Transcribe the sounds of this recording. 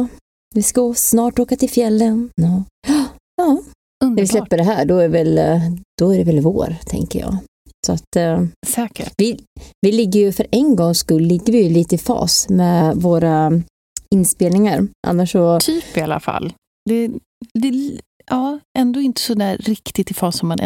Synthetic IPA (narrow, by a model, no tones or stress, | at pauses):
vɪskasnɑːʈoːkat̪ʰɪlfjɛlːənɑ | ɑː | nɛvɪslɛpːəɖɛɦæːɖɔæɖɛvɛld̪̥ɔæɖɛvɛlvo̰ːɾt̪ʰɛ̰ŋkə̰jɑ̰ːɡ | sɔat̪sɛːkəvɪvɪlɪɡːəjɵfœɾʔɛnɡɔŋskɵllːɪɡːəɾvɪjɵliːt̪əɪfɑ̰ːsmɛvoːɾa | ɪnːspeːlnɪŋaɾʔa̰nːaʂɔt̪ʰyːpɪala̰fa̰lː | d̪ɛ | d̪ɛ | ɑːɛnd̪oːɪnt̪ə̥sɔd̪æːɾːɪkt̪ɪt̪ɪfɑːsːɔmːanɛ̰